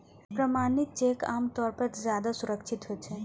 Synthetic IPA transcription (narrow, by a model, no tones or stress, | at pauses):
pɾəmanit̪̚t͡ʃeka̰mt̪ɔɾpəɾd͡ʒjad̪asuɾəkt͡ʃʰit̪ɦot͡ʃʰɛ